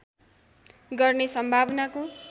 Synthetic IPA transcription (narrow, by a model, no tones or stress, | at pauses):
ɡʌrnesʌmbʱabʌnako